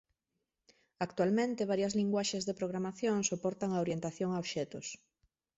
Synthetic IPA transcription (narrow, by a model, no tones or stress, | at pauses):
akt̪walmẽnt̪eβ̞aɾjɐzliŋɡwaʃezðepɾoɣɾamaθjoŋsopɔɾt̪aŋaoɾjent̪aθjoŋaoβʃɛt̪ʊs